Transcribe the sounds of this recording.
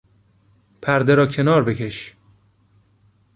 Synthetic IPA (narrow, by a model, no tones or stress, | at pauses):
pʰæɾd̪eɾɒːcʰe̞nɒːɾbe̞kʰe̞ʃ